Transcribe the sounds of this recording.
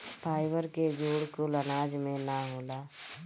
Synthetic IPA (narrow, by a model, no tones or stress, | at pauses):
pʰaːɪʋəɾked͡ʒoːɽkolənaːd͡ʒmẽnaɦoːlaː